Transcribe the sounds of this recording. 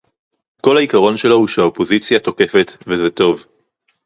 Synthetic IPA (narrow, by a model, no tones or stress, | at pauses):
ko̞lhaikaʁo̞nʃe̞lo̞huʃehaopo̞zit͡sjato̞ke̞fe̞t̪vezet̪o̞v